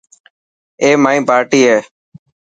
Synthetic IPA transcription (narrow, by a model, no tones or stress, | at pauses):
eːmaːĩːpaːɾʈiːɦeː